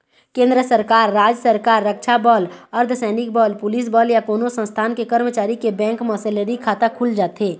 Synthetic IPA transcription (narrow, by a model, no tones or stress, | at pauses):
kẽːnd̪ɾəsəɾkaːɾːaːd͡ʒsəɾkaːɾːəkʃabɔːləɾd̪ʱsɛːnɪk̚bɔːlpʊlis̬bɔːljakoːnosə̃nst̪ʰaːnkekəɾmət͡ʃaːɾikebɛ̃ːŋkmɔːseleɾikʰaːt̪akʰʊld͡ʒaːt̪ɦeː